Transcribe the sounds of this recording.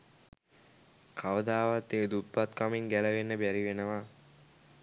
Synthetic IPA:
kʰaʋəd̪aːʋat̪ːeːd̪ut̪ːat̪kamiŋɡæləʋenːəbæɾiʋenəʋa

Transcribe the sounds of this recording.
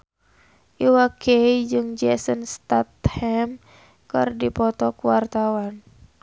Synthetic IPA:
ʔiwakeid͡ʒɨŋd͡ʒɛsənst̪at̪̚hɛm | kɨrdipɔt̪ɔkuwart̪awan

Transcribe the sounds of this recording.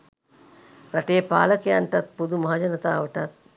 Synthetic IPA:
ɾɐʈeːpa̰ːlɐkjaːɳʈɐt̪̚pud̪umɐɦad͡ʒɐnɐt̪aːʋɐʈɐt̪̚

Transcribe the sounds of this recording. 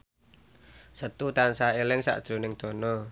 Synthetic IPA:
sət̪ut̪ansaelɪŋsa̰ʔd̥ɾo̤nɪŋd̪̥o̤nɔ

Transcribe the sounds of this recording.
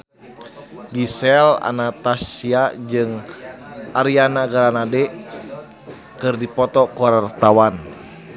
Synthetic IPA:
ɡisɛla̰nat̪asiad͡ʒɨŋ | aɾianaɡaɾanadɛ | kɨrdipɔt̪ɔkuaɾart̪awan

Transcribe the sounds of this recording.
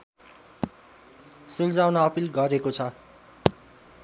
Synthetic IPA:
suld͡zawnaʌpilɡʌɾekot͡sʰʌ

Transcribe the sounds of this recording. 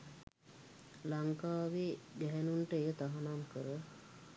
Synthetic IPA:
laŋkaːʋed̪ɛɦɛnuɳʈəejət̪aɦanamkəɾə

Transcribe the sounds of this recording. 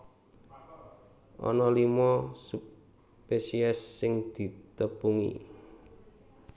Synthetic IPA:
ʔɔ̰nɔlimɔsu | pesiɛsːɪŋd̪̥i̤t̪əpuŋḭ

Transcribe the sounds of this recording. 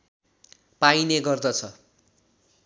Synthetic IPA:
paineɡʌrd̪ʌt͡sʰʌ

